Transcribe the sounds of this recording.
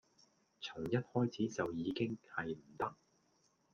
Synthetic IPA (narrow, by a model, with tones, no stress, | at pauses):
t͡sʰʊ˨˩ŋjɐ˥t̚hɔː˥jt͡sʰiː˨˥t͡sɐ˨wjiː˨˧kɪ˥ŋhɐ˨jm̩˨˩t̪ɐ˥k̚